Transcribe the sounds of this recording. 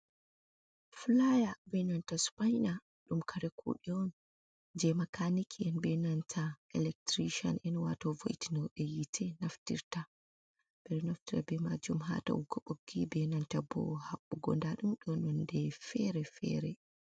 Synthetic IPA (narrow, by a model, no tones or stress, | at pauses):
flajabɛnantaspajna | ɗumkʰaɾɛkʰṵɗiɔn | d͡ʒɛmakanikʰɛnbɛnantʰaɛlɛk̚tɾiʃɔ̰nʔɛnwatɔvo̰jitinɔwɗɛjitʰɛnaftḭɾta | b̥ɛɾɛnaftiɾa̰bɛmad͡ʒumɦa̰ta̰wuɡɔɓoɡibɛnantabɔ̰haɓːuɡɔ̰ndaɗumɗɔnɔndɛfɛɾɛfɛ̰ɾɛ